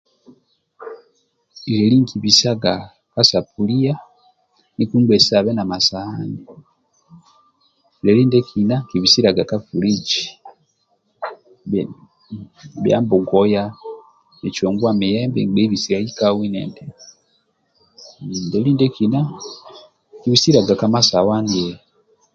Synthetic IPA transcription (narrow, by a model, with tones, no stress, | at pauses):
i˨ɾɛ˨li˦ŋkʰi˨βi˨sa˦ɡa˨ | ka˦sa˨pu˨li˦ja˦ | ni˦ku˦bɛ˨sa˨βɛ˦na˨ma˨sa˨a˦ni | dɛ˨li˦ndɛ˦kʰi˨na˦ŋki˨βi˨si˦ɾa˨ɡa˨ka˦fu˨ɾi˦t͡ʃi̥ | bja̰ː˦mbu˨ɡoja | et͡ʃoːŋɡwamijeːmbeŋbe˦βisiɾaikawi˦nḛnde | ndeliː˦ndekina | ki˨βisi˦ɾa˨ɡakama˦sa˨wa˦ni